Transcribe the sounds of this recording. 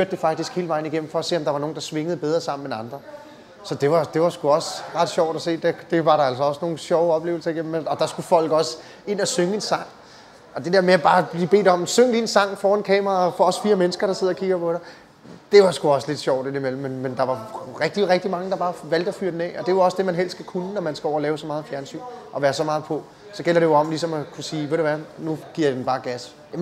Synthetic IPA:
fyɐ̰d̥ːe̝fɑ̈ɡ̥̚d̥isɡ̥he̝ːləʋɑ̈ɪn̩əiɡ̥em̰m̩fɒ̽æse̝̰ːɒ̽md̥ɑ̈ʋɑnoːn̩d̥ɑ̈sʋe̝ŋəð̩ˠb̥eð̞ˠʁɐsɑ̈m̰n̩enɑ̈nd̥ʁɐ | sɒ̽d̥e̝ʋɑ̈d̥e̝ʋɑ̈sɡ̥uɒ̽sʁɑ̈d̥ɕɒʊ̰d̥æse̝̰ːd̥ed̥e̝ʋɑ̈ɾɑ̈æl̰s̬ɒ̽ɒ̽sno̝ːn̩ɕɒʊɒ̽b̥le̝ːʊl̩sɐiɡ̥em̩ɒ̽d̥ɑ̈sɡ̥ufɒ̽l̰ɡ̥ɒ̽s | e̝n̰æsøŋəe̝nsɑ̈ŋ̰ | ɒ̽d̥e̝d̥e̝ɐ̰meæb̥ɑ̈ːb̥liːb̥e̝̰ːd̥ɒ̽msøŋəd̥insɑ̈ŋ̰fɒːe̝nkʰɛ̰ːmɐʁɑfɒɒ̽sfiːɐmenəsɡ̥ɐɾ̥ɑseð̞̰ˠkʰiɡ̥ɐpʰɒ̽ɾɑ | d̥e̝ʋɑ̈sɡ̥uɒ̽sle̝d̥ɕɒʊ̰d̥enimelm̩ːenːend̥ɑ̈ʋɑ̈ʁɛɡ̥̚d̥iʁɛɡ̥̚d̥imɑ̈ŋəd̥ɑ̈b̥ɑ̈ːʋæl̰d̥ɒfyɐ̰d̥enɛ̰ːɒ̽d̥e̝jɒ̽sd̥e̝mænɦel̰sdɡ̥ækʰunənɒmænsɡ̥æɒ̰ʊ̰ɐlɛːʊsɒ̽mɑ̈ːð̞̩ˠfjæɐnsy̰ːnʔɒ̽ʋæːɐsɒ̽mɑ̈ːð̩ˠpʰɔ̽ | sɒ̽ɡ̥el̰ɐɾe̝joɒ̽mlisɒ̽mækʰusiːʋeɾ̥e̝ʋænuɡ̥iɐ̰d̥enb̥ɑ̈ːɡ̥æs

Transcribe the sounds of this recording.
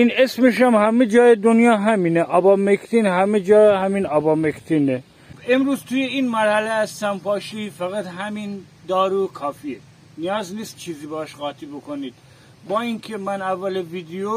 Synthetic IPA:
inesmeʃæmhæmed͡ʒɒːjed̪onjɒːɦæmiːneʔɒbɒːmekʰt̪ʰiːnhæmed͡ʒɒːhæmiːnɒbɒːmekt̪ʰiːne | emɾuːzt̪ʰuːjeinmæɾhæleæst̪æmpʰɑːʃiːfæɣæt̪ɦæmiːn | d̪ɒːɾuːkʰɒːfiːe | nijɒːzniːst̪̚t͡ʃʰiːziːbehɑʃɣɒːt̪ʰibokoniːd̪̥ | bɒːinkʰemænævːæleviːd̪ejo

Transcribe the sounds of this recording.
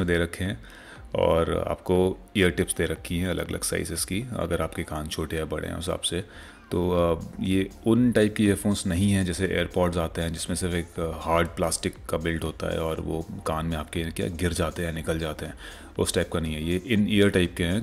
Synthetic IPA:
mẽd̪eːɾɐkʰːeɦɛ̃ː | ɔ̰ːɾa̰ːp̚koejəɾʈɪpsd̪eːɾɐkʰːiɦɛ̃ɐlə̰ɡɐ̰lə̰ɡsa̰ːɪsɪskiɐ̰ɡəɾaːpkekaːnt͡ʃʰoːʈeɦɛbɐɽ̤ḛ̃ɦɛ̰̃ʊsa̰ːbse | t̪oːjeːʊnʈaːɪp̚kieːɾfoːnsnɐɦĩɦɛ̃d͡ʒɛːseʔḛːəɾpɔːɾʈsaːt̪eɦɛ̃d͡ʒɪsmẽsɪɾfeːkhaːɾɖplaːsʈɪkːabɪlɖɦoːt̪a̰ɦɛ̰ɔːɾʋo̰ːkaːnmẽaːp̚kekja̰ːɡɪɾd͡ʒaːt̪eɦɛ̃nɪkəld͡ʒaːt̪eɦɛ̃ː | ʊsʈaːɪp̚kanɐɦĩɦɛjeʔɪneːəɾʈaːɪpkeɦɛ̃

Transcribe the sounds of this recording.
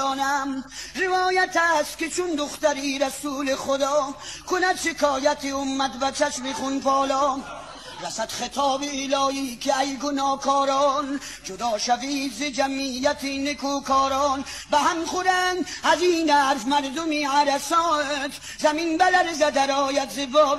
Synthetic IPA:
ɔːnamɾevɒːjat̪ast̪̚ket͡ʃʰund̪ʊχt̪aɾiːɾæsuːleχod̪ɒːkʰʊnad̪ʃekʰɔːjat̪ʰiʊmːæt̪væt͡ʃʰæʃmiχunpɔːlɔː | ɾasad̪̥χet̪ʰɔːbiːlɔːiːkʰiæjɡonɔːkʰɔːɾɔːn | d͡ʒod̪ɒːʃaviːd̪zed͡ʒamijæt̪ʰinekoːkʰɔːɾɔːn | bæɦamχoɾænd̪æziːnæɾfmæɾd̪omiʕaɾasɔːnt̪ | zæminbælæɾzad̪aɾɔːjad̪zevɔː

